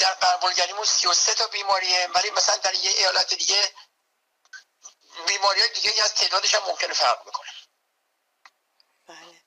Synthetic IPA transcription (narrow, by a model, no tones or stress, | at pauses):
d̥̪æɾbæɾbolɟæɾiːmunsijo̞set̪ʰɒːbiːmɒːɾievælimæsælænd̪æɾjecejɒːlæt̪ʰed̪iːɟe | biːmɒːɾijɒːjed̪iːɡeiːæzt̪ʰe̞ʔd̪ɒːd̪e̞ʃæmːomcʰe̞ne̞fæɾʁbe̞kʰo̞ne